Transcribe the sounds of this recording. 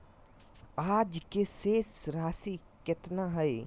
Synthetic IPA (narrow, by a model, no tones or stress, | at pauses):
aːd͡ʒkeseːsɾaːsi | kɪt̪naɦɛe